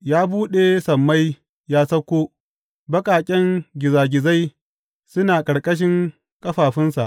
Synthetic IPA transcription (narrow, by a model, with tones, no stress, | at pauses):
jaː˦buː˦ɗe˨sɐ˨mːa˦j | jaː˦sɐ˦kʷːoː˦ | bɐ˦kʼaː˨kʲʼɛ˦ŋɡʲɪ˨zaː˨ɡʲɪ˨za˦j | sʊ˦naː˨kʼɐ˨ɽkʼɐ˦ʃ̬ɪ˦ŋ | kʼɐ˦ɸaː˨ɸɪ˦nsa˨ʔ